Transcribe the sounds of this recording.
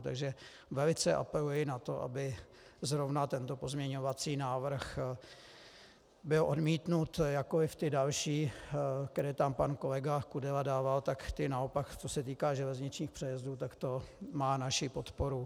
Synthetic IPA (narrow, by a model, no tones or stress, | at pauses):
t̪a̰ɡʒɛ | vɛlɪt͡sɛʔa̰pɛlujɪnat̪o̞ʔa̰bɪ | zɾovnat̪ɛnt̪o̞po̞zmɲɛɲo̞vat͡siːnaːvr̩x | bɪlʔo̞dmiːt̪nut̪jakoɪft̪ɪdalʃiːkɛɾɛːt̪ampanko̞lɛɡakudɛladaːvalt̪akt̪ɪnaopakt͡sosɛt̪iːkaːʒɛlɛzɲɪt͡ʃɲiːxpr̥ɛjɛzduːt̪akt̪o̞maːnaʃɪpo̞t̪poɾu